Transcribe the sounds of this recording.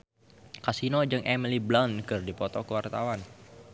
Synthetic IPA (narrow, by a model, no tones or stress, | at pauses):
kasinod͡ʒɨŋʔɛmiliblankɨrdipɔt̪ɔkəwart̪awan